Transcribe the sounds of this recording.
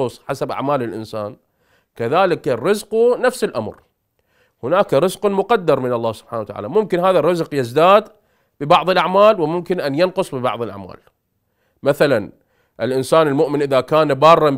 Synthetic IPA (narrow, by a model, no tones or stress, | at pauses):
ʊsˤħasabʔa̰ʕmaːlɪlʔɪ̰nsaːn | kaðaːlɪkrːɪzqunafsɪlʔamɾ | hʊnaːkɾɨzqʊmʊqɑd̪ːɑɾˤmɪnɑlˤːaːhsʊb̥ħaːnawat̪aʕa̰ːlamʊmkɪnhaːðarˤːɨzqjɪzd̪aːd̪ | bɪbɑʕðˤɨlʔaʕmaːlwɪmʊmkɪnʔanjanqʊsˤbɪbɑ̰ʕðˤɨlʔa̰ʕma̰ːl | maθalan | ʔɪlʔɪnsaːnɪlmʊʔmɪnʔɪðakaːnbɑːrˤːɑm